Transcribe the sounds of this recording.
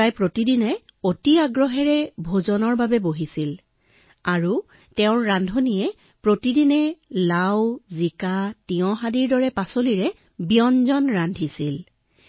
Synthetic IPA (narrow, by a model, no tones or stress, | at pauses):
ajpɹotidinɛ | otiaɡɹɔɦɛɹɛbʱozɔnɔɹbabɛboɦisil | aɹu | tɛʊ̃ɹɹandʱonijɛ | pɹotidinɛlawzikatiɔ̃ɦadiɹdɔɹɛpasoliɹɛ | bijɔnzɔnɹandʱisil